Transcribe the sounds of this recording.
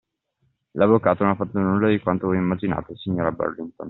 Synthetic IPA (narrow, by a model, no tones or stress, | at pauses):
lavːokaːt̪ononafːat̪ːonulːad̪ikwant̪ovɔjimːad͡ʒina̰ːt̪osiɲːoːɾabɛ̰rlint̪o̰n